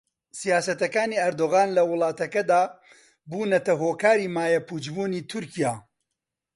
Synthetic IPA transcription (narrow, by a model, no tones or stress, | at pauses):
sijaːsɐt̪ɐkaːniːɐɾd̪oːɣaːnlɐwʊlˠɑːt̪ɐkɐd̪aː | buːnɐt̪ɐɦoːkaːɾiːmaːjɐpuːd͡ʒbuːniːt̪ʰʊɾkijaː